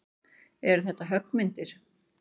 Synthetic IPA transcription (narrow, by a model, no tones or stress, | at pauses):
ɛɾθɛht̪ːaɦœkːmɪnt̪ɪɾ̥